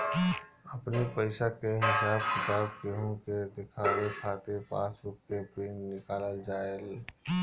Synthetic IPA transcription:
əpnipəɪsakeɦɪsaːbkɪt̪aːb̚keɦõked̪ɪkʰaːwekʰaːt̪epa̰ːsʊk̚kepɾeːnːɪkaːləld͡ʒaːel

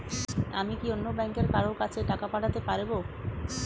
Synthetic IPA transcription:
a̰mikionːobɛŋkeɾkaɾokat͡ɕʰeʈakapaʈʰat̪epaɾbo

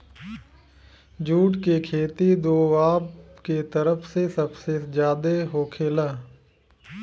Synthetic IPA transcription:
d͡ʒuːʈkeːkʰeːt̪id̪oːʋaːpket̪əɾəpʰsesəbsed͡ʒjaːd̪eɦoːkʰeːləː

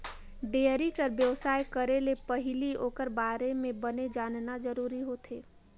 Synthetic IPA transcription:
ɖeːɾikəɾbjəwsaːjkəɾelepəɦɪliɦoːkəɾbaːɾemẽbəned͡ʒaːnnad͡ʒəɾuːɾiɦoːt̪ʰeː

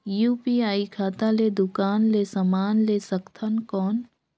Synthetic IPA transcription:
juːpiaːikʰaːt̪aled̪ʊkaːnlesamaːnleːsəkt̪ʰənkɔːn

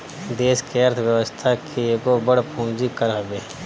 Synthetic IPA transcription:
d̪eːskeəɾt̪ʰwjəwəst̪ʰakʰieɡobəɽpũːnd͡ʒikəɾɦɐbeː

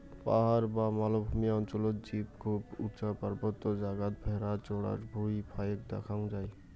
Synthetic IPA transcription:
pa̰ɦaɾbamalobʱumijaɔnt͡ʃɔlot̪d͡ʒipkʰubutt͡ʃapaɾbɔt̪ːɔd͡ʒaɡat̪̚bʱeɾat͡ʃoɽa̰ɾbʱuipʰajek̚d̪ḛkʰaw̃d͡ʒaj

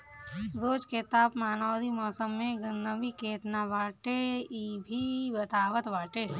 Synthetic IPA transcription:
ɾoːd͡ʒket̪aːpmaːnɔːd̪ʱimɔːsəmːẽɡənd̪əbikeːt̪naʋaːʈeibʱibɐt̪aːʋət̪ʋaːʈeː

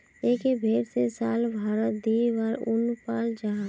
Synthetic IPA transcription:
eːkebʱeːɾsesaːlbʱaːɾət̪̚d̪iːʋaɾʊnpaːld͡ʒaːɦa

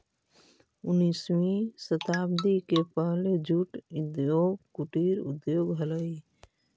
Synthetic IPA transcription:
ʊniːswisət̪aːbd̪ikepəɦled͡ʒuʈʊd̪joːɡkuʈiɾʊ̰d̪joːɡɦələi

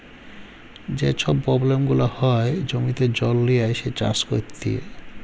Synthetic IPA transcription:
d͡ʑet͡ɕʰɔbpːɾɔblemɡulahɔed͡ʑomit̪ed͡ʑɔlːijaeʃet͡ɕa̰skoɾt̪ʰḭḛ

